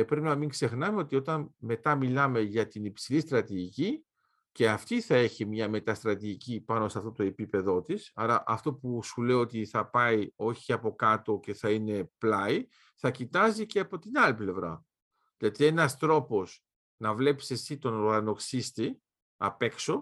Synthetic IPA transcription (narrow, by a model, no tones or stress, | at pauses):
pɾe̞pinɐmiŋɡse̞xnɐme̞o̞t̪io̞t̪ɐnme̞t̪ɐmilɐme̞ʝɐt̪inipsilist̪ɾɐt̪iʝici | ce̞ɐft̪iθɐe̞çimɲɐme̞t̪ɐst̪ɾɐt̪iʝicipɐnoseɐft̪o̞t̪o̞e̞pipe̞ðo̞t̪isɐɾɐʔɐft̪o̞pusule̞io̞t̪iθɐpɐio̞çiɐpo̞kɐt̪o̞ce̞θɐine̞plɐi | θɐcit̪ɐziceɐpo̞t̪inɐliple̞vɾɐ̰ | ðilɐt̪ie̞nɐst̪ɾo̞po̞s | nɐvle̞pise̞sit̪o̞noɾɣɐno̞ksist̪i | ɐpe̞kso̞